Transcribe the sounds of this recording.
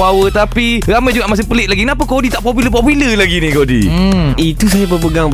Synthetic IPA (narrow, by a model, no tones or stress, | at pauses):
awət̪apiramãjd͡ʒuɡaʔmas̬ɪpəlɪʔ̪laɡikənapakodit̪aʔpopiləp̬opiləlaɡinikodḭit̪us̬ajabəpəɡaŋ